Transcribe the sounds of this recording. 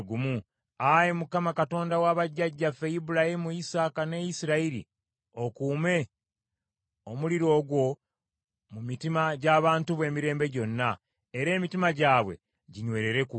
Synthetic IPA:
ɡumu | ajemukamakato̞ːndawaβaɟːaɟːafe̞jibulahimuisaːkane̞jisiɾaiɾḭ | o̞kuːme̞ | omuliɾo̞ːɡwo̞ | mumitimaɟaːβaːntuβwe̞ːmiɾe̞ːmbe̞ɟo̞nːa | eɾe̞ːmitimaɟaːβwe̞̰ | ɟiɲwe̞ːɾe̞ɾe̞ku

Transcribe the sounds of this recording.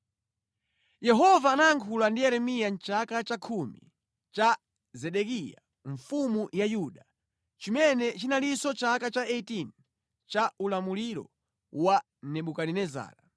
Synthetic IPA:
jɛɦɔvaːnaːŋkʰulandijɛɾɛmijant͡ʃakat͡ʃakʰumḭ | t͡ʃa | zɛɗɛkija̰ | ɱfumujajuɗa | t͡ʃimɛnɛt͡ʃinalisɔt͡ʃakat͡ʃaɛtin | t͡ʃaʔulamuliɾɔ̰ | wa | nɛɓukaɾinɛza̰ːɾa

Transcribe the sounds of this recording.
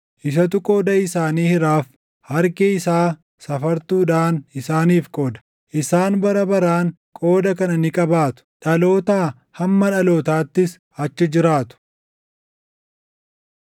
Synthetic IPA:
ʔɪsɐt̪̬ʊkʼo̞ːd̪ɐɪsaːniːhɪɾaːf | hɐɾkɛɪsaː | sɐfɐɾt̪uːd̪aːnɪsaːniːfkʼo̞ːd̪ɐ̥ | ʔɪsaːnbɐɾɐbɐɾaːŋ | kʼo̞ːd̪ɐkɐnɐnɪkʼɐbaːt̪ʊ̥ᶑɐlo̞ːt̪aː | hɐmːɐᶑɐlo̞ːt̪aːt̪ːɪs | ɐt͡ʃːɪd͡ʒɪɾaːt̪ʊ̥

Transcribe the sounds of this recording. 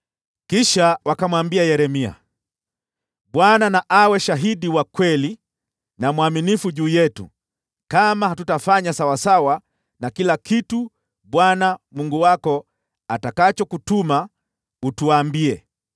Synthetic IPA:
kiʃawakamwambiajɛɾɛmia̰ | ɓwananaʔawɛʃaɦiɗiwakwɛli | namwaminifuʄuːjɛtṵ | kamahatutafaɲasawasawa | nakilakitu | ɓwanamuŋɡuwakɔ | atakat͡ʃɔkutuma | utuaːmbiɛ

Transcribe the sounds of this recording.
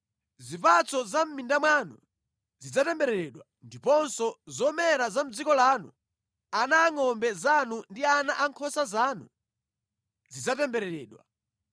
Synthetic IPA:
zipat͡sɔzam̩mindamwanu | zid͡zatɛmbɛɾɛɾɛɗwa | ndipɔnsɔzɔmɛɾazam̩d͡zikɔlaːnṵ | anaːŋɔmbɛzanundianaʔaŋkʰɔsazaːnu | zid͡zatɛmbɛɾɛɾɛːɗwa̰

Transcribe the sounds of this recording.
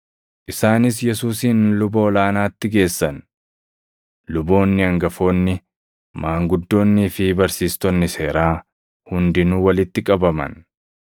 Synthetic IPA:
ʔɪsaːnɪs̬jɛsuːsiːnlʊboːlaːnaːt̪ːɪɡe̞ːsːɐn | lʊbo̞ːnːɪɐŋɡɐfo̞ːnːɪ | maːŋɡʊd̪ːo̞ːnːɪːfɪbɐɾsiːst̪ɔnːɪse̞ːɾaː | hʊnd̪ɪnʊwɐlɪt̪ːɪkʼɐbɐmɐ̰n

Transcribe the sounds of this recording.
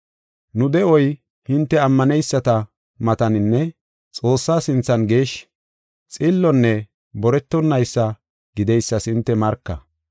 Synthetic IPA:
nʊd̪ɛɔj | hɪnt̪ːɛɐmːɐnɛjsːɐt̪ɐ | mɐt̪ɐnɪnːɛ | t͡sʼo̞ːsːaːsɪnt͡sːɐnɡe̞ːʃ | t͡sʼɪlːɔnːɛ | bɔɾɛt̪ːɔnːɐjsːɐ | ɡɪd̪ɛjsːɐsɪnt̪ːɛmɐɾkːɐ

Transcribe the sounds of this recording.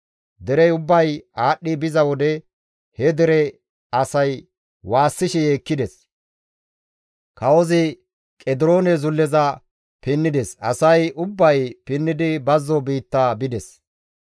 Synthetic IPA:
d̪ɛɾɛjʊbːɐjaːɗːɪbɪzɐwɔd̪ɛ | hɛd̪ɛɾɛ | ɐsɐj | waːsːɪʃɛjeːkːɪd̪ɛs | kɐwɔzɪ | kʼɛd̪ɪɾo̞ːnɛzʊlːɛzɐ | pɪnːɪd̪ɛsɐ̰sɐjʔʊbːɐjpɪnːɪd̪ɪbɐzːɔbiːt̪ːɐbɪd̪ɛs

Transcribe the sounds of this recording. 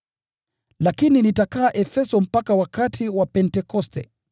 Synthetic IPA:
lakininitakaːʔɛfɛsɔm̩pakawakatʰiwapɛntɛkɔstɛ̰

